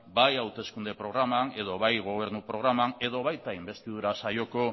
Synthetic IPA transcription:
bajawt̪e̞skund̪e̞pɾo̞ɣ̞ɾamane̞ð̞o̞βajɣo̞β̞e̞ɾnupɾo̞ɣ̞ɾamane̞ðo̞βajt̪aimbe̞st̪iðuɾasajo̞ko̞

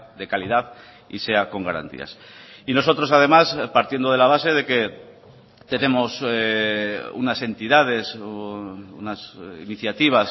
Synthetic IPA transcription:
ðe̞kalið̞aθ | ḭse̞ako̞ŋɡaɾa̰nt̪ḭa̰sino̞s̬o̞t̪ɾo̞sað̞e̞maspaɾt̪jend̪oe̞laβ̞ase̞ðe̞ke̞ | t̪e̞ne̞mo̞s | ṵnase̞nt̪iðað̞e̞s | unasḭniθjat̪iβ̞as

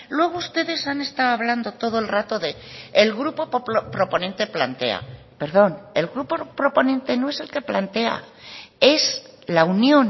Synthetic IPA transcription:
lwe̞ɣ̞oust̪e̞ðe̞sane̞st̪awoaβland̪o̞t̪o̞ð̞oe̞lrat̪o̞ðe̞ːlɣɾupo̞ppɾo̞po̞nẽ̞nt̪e̞plant̪e̞a̰ | pe̞ɾðo̞ne̞lɣɾupopɾo̞po̞nẽ̞nt̪eno̞e̞se̞lke̞plant̪e̞a̰ | e̞s | launjõ̞n

